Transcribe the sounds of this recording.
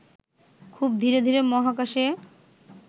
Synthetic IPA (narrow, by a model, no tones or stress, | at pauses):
kʰub̚d̪ʱiɾed̪ʱiɾemɔɦak̬aʃe